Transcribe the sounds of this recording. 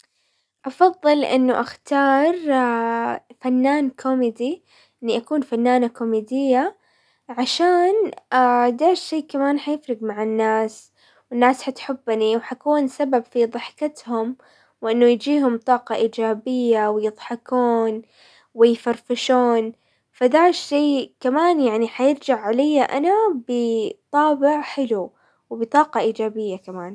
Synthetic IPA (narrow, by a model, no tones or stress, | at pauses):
ʔɑfɑðˤːɨlʔɪ̰nːʊʔaxt̪ɑːɾˤ | fanːaːnkʰomɪd̪i | ʔɪnːiʔakuːnfanːaːnakomid̪ɪjːa | ʕaʃaːnad̪aːʃeːkamaːnħajɪfɾɪɡmaʕɪnːaːs | wɪnːaːsħat̪ħɪbːniwħakuːnsababfiðˤɨħkɪt̪hʊm | wʔɪnːʊjd͡ʒiːɦʊmt̪ˤɑːqɑʔiːd͡ʒaːbɪjːawɪjɨðˤħɑkuːn | wɪjfaɾfɪʃuːn | fad̪aːʃːeːkamaːnjaʕniħajɪɾd͡ʒaʕʕalajːaʔanabɪt̪ˤɑːbɪʕħɪlu | wbɪt̪ˤɑːqɑʔiːd͡ʒaːbɪjːakamaːn